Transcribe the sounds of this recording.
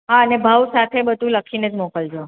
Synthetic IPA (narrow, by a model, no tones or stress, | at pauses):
ɦaənebʱaʋsat̪ʰebəd̪ʱũləkʰined͡ʒmɔkəld͡ʒo